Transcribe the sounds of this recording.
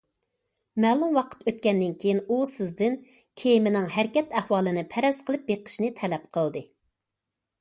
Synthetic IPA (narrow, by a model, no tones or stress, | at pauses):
mɛːlˠumwɑqʰə̥t̪øt̪̚kʲɛnd̪ɪnkʲʰejinusɪzd̪ɪn | kʲʰejimɪnɪŋɦæɾkʲɛt̪æhwɑːlˠɨnɪpʰæɾɛsqʰəlˠɨp̚beqʰə̥ʃnɨt̪ʰɛlɛp̚qʰəlˠd̪ɨ